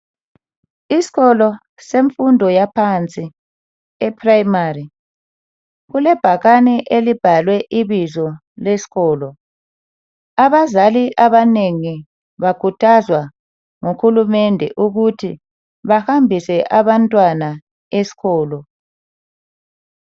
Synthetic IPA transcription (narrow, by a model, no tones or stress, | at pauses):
isi̥ɣɔlɔ | seɱfundʱɔjapʰant͡sʼi | ɛpʰraimari | ɣulɛb̥ʱaɣanɛʔelib̥ʱalwɛʔiβizɔ | lesi̥ɣɔːlɔ | aβazaliʔaβaneŋi | βakʰutʰazwa | ŋuxulumɛndʱɛ̰ʔuɣutʰi | βahambʱisɛʔaβantʼwana | esi̥ɣɔːlɔ